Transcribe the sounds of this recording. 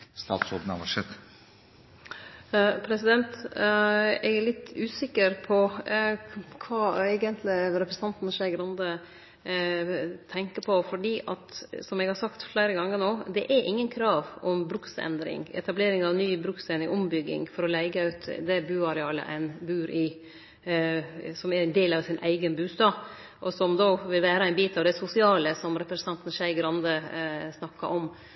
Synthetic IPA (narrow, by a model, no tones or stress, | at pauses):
st̪ɑ̰ːt̪sɔd̪n̩ɑʋɑʂɛt̪ | pʰɾɛsɪd̪ɛnt̪ | ɛɡæɭlɪt̪ːʉːsɪkːəɾpʰɔ | kʰʋɑːæɪɡənt̪ʰlɪɾɛpɾəsənɑnt̪nʃæɪɡɾɑnd̪ə | t̪ʰɛŋkəpʰɔfɔɖiːʔɑt̪sɔmɛɡhɑɾsɑkt̪flæːɾəɡɑŋːəɳoːd̪ɛʔæʔɪŋːənkʰɾɑːʋɔmbɾʉksɛ̰nd̪ɾɪ̰ŋɛ̰t̪ɑbleːɾɪŋɑʋnyːbɾʉksɛnɪŋʔɔmbʏɡːɪ̰ŋfɔɾɔlæɪɡəʉʉt̪d̪ɛbʉːɑɾɛɑːlə̰ʔæ̰ɪnbʉːɾʔɪ | sɔmæɾæɪnd̪eːlɑʋsɪnʔæ̰ɪɡənbʉːst̪ɑː | ʔɔsɔmd̪oːʋɪlʋæːɾəæɪnbiːt̪ɑʋd̪ɛsʊsɪɑːləsɔmɾɛpɾəsnt̪ɑnt̪n̩ʃæɪɡɾɑnd̪əsnɑkːɑʔɔm